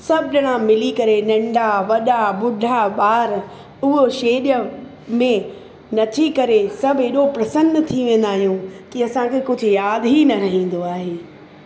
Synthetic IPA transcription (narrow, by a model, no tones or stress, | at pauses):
sɐbʱɪɗɐɽ̃ãmɪlikɐɾenɐ̃ɳɖʱaʋɐɗaɓʊɖʱaɓaːɾ | ʊɦoʃeːɗə | mẽ | nɐt̪ʰikɐɾesɐbʱɦeɗopɾɐsə̃nd̪t̪ʰiʋẽːnd̪aːɦijũkiɐsãkʰeːkʊd͡ʑʱʊjaːd̪ɦinɐɾɐɦĩːn̆d̪oaːɦeː